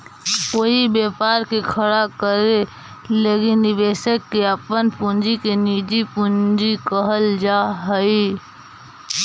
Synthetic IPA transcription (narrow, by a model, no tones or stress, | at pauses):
oibeːpaːɾkekʰəɽakəɾe | leːkɪnːɪbeːsəkːeəpənpũnd͡ʒikeniːd͡ʒipũnd͡ʒikəɦəld͡ʒaɦəi